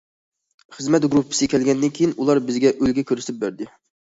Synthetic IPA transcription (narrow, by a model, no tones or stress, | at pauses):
χəzmɛt̪̚ɡɾupʰːɨ̥sɪkʲʰɛlɡʲɛnd̪ɪnkʲʰejinulˠɑɾbɪzɡʲɛʔølɡʲɛkʲʰøɾst̪ɪp̚bæɾd̪ɪ